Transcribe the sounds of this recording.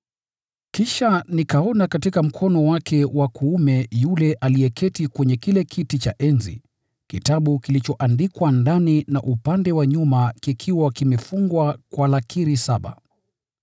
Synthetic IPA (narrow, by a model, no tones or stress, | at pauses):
kiʃanikaɔnakatikam̩kʰɔnɔwakʰɛwakʰuumɛjulɛʔalijɛkʰɛtikwɛɲɛkilɛkʰitit͡ʃaʔɛnzḭ | kitaɓukilit͡ʃɔʔandikwandanina̰ʔupandɛwaɲumakikʰiwakimɛfuŋɡwakwalakʰiɾisaɓa̰